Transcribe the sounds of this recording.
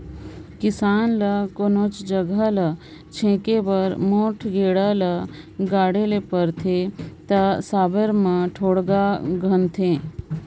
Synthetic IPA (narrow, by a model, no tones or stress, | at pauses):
kɪsaːnlɐkoːnoːt͡ʃd͡ʒəɡʱalɐ | t͡ʃʰẽːkebəɾmoːʈʰɡeːɽalə | ɡaːɽelepəɾt̪ʰet̪ɐsaːbəɾmãʈʰoːɽɡaɡʱənt̪ʰẽ